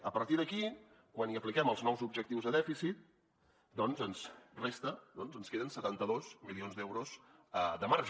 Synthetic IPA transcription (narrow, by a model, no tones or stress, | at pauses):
əpəɾt̪iðəki | kwaniəplikɛməlˠznɔwzubʒək̚t̪iwzðəðɛfisit̪̚ | d̪ɔnzənzrest̪əd̪ɔnzənskeðənsət̪ant̪əðoz̥milionzd̪ɛwɾozəd̪əmaɾʒ